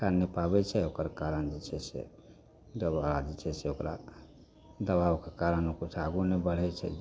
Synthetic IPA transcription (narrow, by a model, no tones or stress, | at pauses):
kanːepabɛt͡ʃʰɛokəɾkaɾənd͡ʒɛt͡ʃʰɛsḛ | d̪əbaad͡ʒɛt͡ʃʰɛseokɾa | d̪əbawkekaɾənokut͡ʃʰaɡunebəɽ̤ɛt͡ʃʰɛ̰